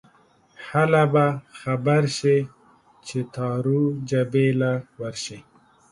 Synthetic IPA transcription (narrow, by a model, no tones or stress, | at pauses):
halabaxabaɾʃi | t͡ʃet̪ɑːɾud͡ʒabelawaɾʃi